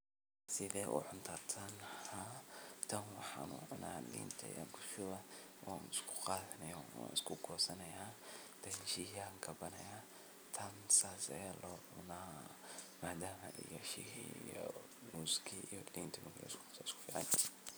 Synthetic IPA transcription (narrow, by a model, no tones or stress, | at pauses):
sɪðɛːʔʊ̰ʕʊnt̪ʰɐt̪ʰɐnhat̪ʰɐnwɑħɑːnʊ̰ʕʊna̰ːlḭːnt̪ʰɐ̰jʔa̰ːŋkʰʊʃʊβɐ | wa̰nɪskʰʊ̥qɑːðɐnɛjɔwa̰ːnɪskʰʊɡʰɔːsɐnɐjaː | t̪ɐjʃiːhaŋkʰɐbɐnɐjaː | t̪ʰɐnsaːsɐ̰jaːlʔɔːʕʊnaː | maːd̪aːmɐ̰ʔḭjɔʃḭhḭjɔ | muːskʰiijɔliːnt̪ʰɐmʊɡɛ̰sksɪskʰʊ̥fiːʕɑ̰n